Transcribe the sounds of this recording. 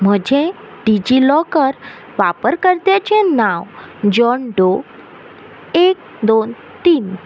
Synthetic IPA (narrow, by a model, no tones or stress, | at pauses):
m̤əd͡ʑʱeɖid͡ʑilɔkəɾ | ʋapəɾkəɾt̪et͡ɕenãʋd͡ʑɔɳɖo | ek̚ | d̪on | t̪iːn